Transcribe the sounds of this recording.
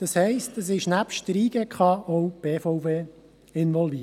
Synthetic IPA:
d̥ɑshɛɪstəs̬ɪʃnæpʃtɾiːɡ̥əkχɑɔwb̥eːfɔwveː | ɪnʋɔlvi

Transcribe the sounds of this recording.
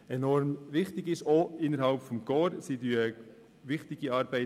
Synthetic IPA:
ɛnɔɾmʋɪχtɪɡɪʃoːɪnːəɾhɑlpfɔmɡ̥ɔːɾsidyə | ʋɪχtɪɡiɑːɾbæɪ

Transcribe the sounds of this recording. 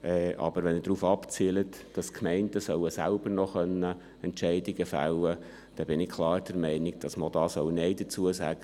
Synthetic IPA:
ʔɛʔɑ̰b̥əɾʋɛnədɾuːfɑpt͡silətd̥ɑskʰmɛɪntəsœwəsælb̥əɾnɔχœnːə | ɛntʃɛɪdɪɡəfæ̰lːə | d̥ɛb̥ɪnɪkʰlˠɑːɾd̥ɛɾmɛɪnɪɡ̚d̥ɑsmodɑːsœwnɛɪd̥ət͡suəsæɡ̥ə

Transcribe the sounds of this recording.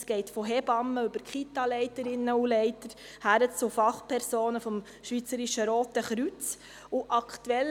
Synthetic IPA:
sɡ̥ɛɪtfɔɦɛbɑməʉbəɾkχitɑlɛɪtəɾɪnːəulɛɪtəɾ | hæɾət͡sʊfɑχpʰɛɾsoːnəfɔm | ʃʋiːt͡səɾiʃəɾoːtəχɾyt͡s | ʊʔɑktuɛl

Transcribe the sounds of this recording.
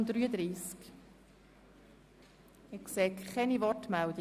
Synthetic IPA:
nd̥̪ɾyːəd̪ɾiːsk | ɪksɛːkkɛnivɔtmɛld̪i

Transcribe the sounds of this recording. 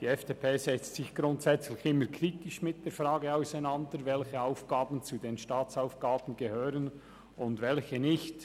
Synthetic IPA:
d̥iːɛfd̥eːpʰeːzɛt͡stsɪçɡ̥ɾʊntsɛt͡slɪçɪmːəɾkʰɾitɪʃmɪt̚d̥eːɾfɾaːɡəaʊsaɪnɑndəɾvɛlçəaʊfɡ̥aːbn̩t͡sudeːnʃtaːt͡saʊfɡ̥aːb̥n̩ɡəhøːɾən | ʊndvɛlçənɪçt

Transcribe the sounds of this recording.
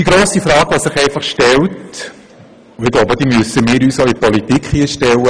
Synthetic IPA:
d̥iɡɾoːsifɾɑːɡ̥ʋasɪχɛɪfɑχʃtɛlt | ʊɪɡ̥loːbəd̥imøsəmɪːɾyːsoipɔlitikχhiəʃtɛlːə

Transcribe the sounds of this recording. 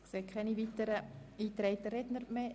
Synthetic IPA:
kseːkʰɛniʋit̪əɾəiːt̪ɾɛɪt̪əɾɛdnəɾme

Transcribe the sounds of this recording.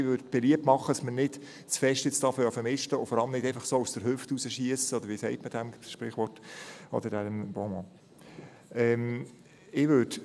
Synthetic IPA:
ɪʋøɾdb̥ɛliəp̚tmɑχːədɑsmənɪt | t͡sfɛʃtjɪt͡stɑːfjɑfəɾmɪʃtəʊfɔɾɑləmnɪdɛɪfəχsoːusd̥əɾɦʏftusəʃiəsəɔd̪əɾʋiːsɛɪtməd̥æmʃpɾɪχʋɔrtɔ̰d̪ədænmb̥omɔ | ɛm | ɪʋød

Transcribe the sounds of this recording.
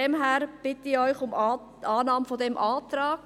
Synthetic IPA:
ɛmɦɛːɾb̥ɪtəɪɔʏçʊmː | ʔɑːnɑːmfodɛmʔɑːtɾɑːk

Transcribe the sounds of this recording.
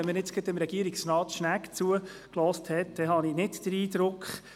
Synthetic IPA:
ɛnmːənɪt͡sɡ̥ətɪmɾɛɡiəɾiksnɑːtʃnækt͡suə | klɔːsthɛt̚d̥̪ɛɦɑninɪtd̥əɾiːd̪ɾʊkχ

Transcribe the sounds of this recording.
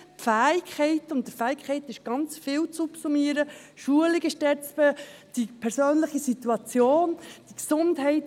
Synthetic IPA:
fæːɪkʰχɛɪtʊnt̚dəfæːɪkʰχɛɪtɪʃɡ̥ɑnt͡sfɪːlt͡supsumiəɾə | ʃuəlɪɡɪʃdɛt͡spəd̥ipʰɛɾsøːnləχisituɑt͡sjoːnd̥iksʊndɦɛɪt

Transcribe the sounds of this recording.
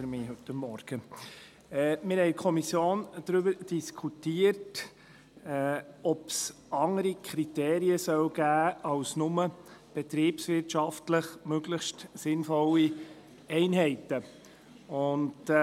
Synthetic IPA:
ɾmɪːɦɵtəmːɔɾɡ̥ə | ɛmɪɾhɛɪkʰɔmisjoːnd̥ɾʏbəɾd̥iskʰutiəɾt | ɔps | ɑŋəɾikʰɾiteːɾiəsœwɡ̥æːɑʊsnʊməb̥ɛt̪ɾiːpsʋɪɾtʃɑftləχmøɡləχʃtsɪnfɔli | ɛɪnɦɛɪtə | ʊnd

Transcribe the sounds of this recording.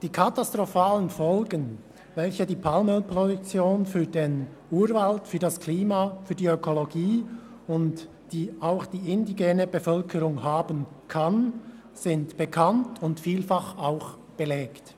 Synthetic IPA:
d̥iːkʰatastʁofaːlənfɔlɡən | vɛlçədiːpʰalməlpʁodʊk̚t͡sjoːnfyːɐdeːn | uːɾvaltfyːɐdaskʰliːmafyːdiøkʰoloɡiː | ʊnt | d̥iːaʊxd̥iːɪndiɡeːnəbəfœlkʰəɾʊŋhaːbən | kʰan | z̥ɪntb̥əkʰantʰʊntfiːlfɑχaʊx | b̥əlɛːkt

